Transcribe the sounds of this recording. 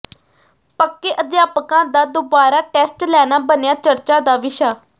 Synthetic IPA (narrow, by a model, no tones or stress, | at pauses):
pəkːeːʔəd̪jaːpəkãːd̪aːd̪oːbaːɾaːʈɛːsʈlɛːnaːbənejaːt͡ʃəɾt͡ʃãːd̪aːʋɪʃaː